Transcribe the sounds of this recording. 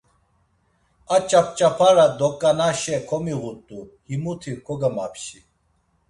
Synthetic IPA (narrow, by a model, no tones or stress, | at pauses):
at͡ɕap̚t͡ɕapʰaɾad̪ɔkʼːanaɕɛkʰɔmiʁut̪ʼːuhimut̪ʰikʰɔɡɐmapɕi